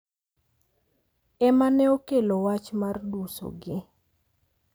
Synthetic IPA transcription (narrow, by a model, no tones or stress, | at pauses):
ɛmanɛokelowat͡ʃmarduso̰ɡɪ